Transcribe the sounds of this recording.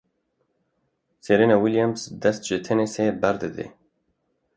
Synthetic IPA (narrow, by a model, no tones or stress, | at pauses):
seɾenawiljamsd̪ɐst̪ʒet̪ʰenesebɐɾd̪ɨd̪ḛ